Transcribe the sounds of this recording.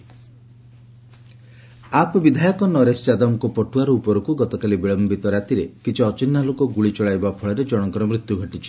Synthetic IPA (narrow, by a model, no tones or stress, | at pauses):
apɔbid̪ʱajɔkɔnɔɾest͡ʃad̪ɔmkɔpɔʈuaɾɔupɔɾukuɡɔt̪ɔkalibiɭɔmbit̪ɔɾat̪iɾekit͡ʃʰiɔt͡ʃinːalokɔɡuɭit͡ʃɔɭajbapʰɔɭɔɾed͡ʒɔɽ̃ɔŋkɔɾɔmɾut̪juɡʱɔʈit͡ʃʰi̥